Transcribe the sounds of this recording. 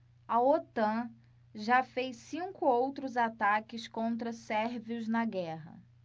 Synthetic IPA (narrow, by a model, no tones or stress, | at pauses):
ɐot̪ɐ̃ | ʒafejsĩŋkʊowt̪ɾʊzat̪akɪskõnt̪̬ɾɐsɛɾviʊznɐɡɛɦɐ̰